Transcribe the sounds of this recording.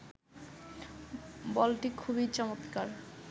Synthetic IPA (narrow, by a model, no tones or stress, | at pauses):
bɔlʈikʰubit͡ɕɔmot̪kaɾ